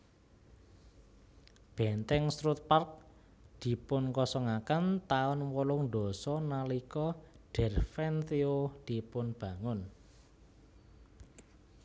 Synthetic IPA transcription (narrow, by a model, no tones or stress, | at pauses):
b̥ɛ̤nt̪ɛŋst̪ɾut̪̚park̚ | d̪̥i̤pʊnkɔsɔŋakant̪aʊnwɔlʊŋd̪ɔ̤sɔnalikɔɖ̥ɛ̤rfɛnt̪eod̪̥i̤pʊnb̥ä̤ŋʊn